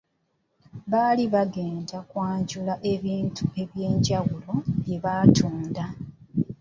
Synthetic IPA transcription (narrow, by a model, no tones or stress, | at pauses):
βaːliβaɡe̞ːndakwaːɲɟulaʔe̞βiːntʰue̞βje̞ːɲɟaɣulo̞βje̞βaːtʰuːnda